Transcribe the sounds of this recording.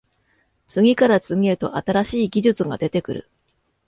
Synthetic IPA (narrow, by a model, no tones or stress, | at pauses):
t͡sɨɡʲikaɾat͡sɨŋʲiet̪o̞̰ʔat̪aɾaɕiːɡʲiʑɨt͡sɨɡa̰d̪e̞t̪e̞kɯ̟ɾɯ̟̰